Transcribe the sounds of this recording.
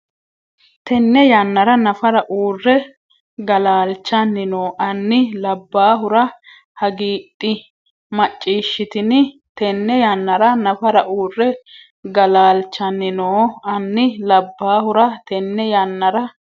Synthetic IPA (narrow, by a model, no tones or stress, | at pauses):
t̪ɛnːɛjanːɐɾɐnɐfɐɾɐʔuːrːɛ | ɡɐlaːlt͡ʃːɐnːɪnoːʔɐnːɪlɐbːaːɦʊɾɐ | hɐɡiːt̪ʼːɪ | mɐt͡ʃʼːiːʃːɪt̪ɪnɪ | t̪ɛnːɛjanːɐɾɐnɐfɐɾɐʔuːrːɛ | ɡɐlaːlt͡ʃːɐnːɪnoːɐnːɪlɐbːaːhʊɾɐt̪ɛnːɛjaːnːɐɾɐ